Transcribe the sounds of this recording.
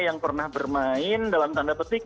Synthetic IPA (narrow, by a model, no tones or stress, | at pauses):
jaŋpərnahbərmaɪndalamt̪andapərt̪i